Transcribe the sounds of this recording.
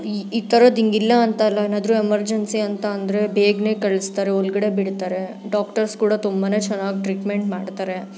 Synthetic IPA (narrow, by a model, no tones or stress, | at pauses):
iːt̪ɐɾɐd̪iŋɡilːɐːnt̪ɐlːɐenaːd̪ɾuemɐɾd͡ʒensiɐnt̪ɐːnd̪ɾe̞bʱeːɡne̞ːkɐɭist̪aːɾeɔlɡɐɽe̞biɽt̪aːɾe̞ | ɖaːkʈɐɾskuːɽɐt̪umbane̞ːt͡ʃɛnːaːɡiʈɾiːʈme̞ɳʈmaːɖt̪aːɾe̞